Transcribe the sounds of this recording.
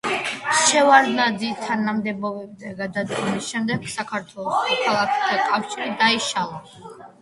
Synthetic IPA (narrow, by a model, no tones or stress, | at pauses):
ʃɛvaɾnad̪zit̪ʰanamd̪ɛbɔbɛbzɛɡad̪ad̪ɡɔmisʃɛmd̪ɛɡ̥sakʰaɾt̪ʰwɛlˠɔsmɔkʰalˠakʰɛ̥t̪ʰakʼafʃiɾid̪aiʃalˠɔ